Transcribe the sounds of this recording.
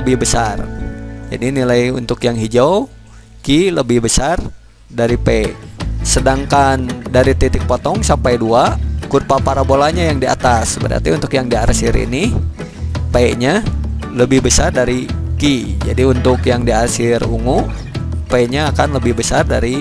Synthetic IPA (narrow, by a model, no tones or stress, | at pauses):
əbɪhbəsard͡ʒa̰dinilajṵnt̪ʊkjaŋɦid͡ʒaw | kiləbɪhbəsar | daɾipeʔsədaŋkandaɾit̪it̪ɪk̚pot̪ɔŋsampajduakurpapaɾabolaɲajaŋdia̰t̪asbəɾa̰rt̪iunt̪ʊkjaŋdiaɾsɪɾḭni | paʔɲaləbɪhbəsardaɾikid͡ʒa̰diunt̪ʊkjaŋdiasɪrṵŋuʔ | pajʔɲaːkanləbɪhbəsarda̰ɾi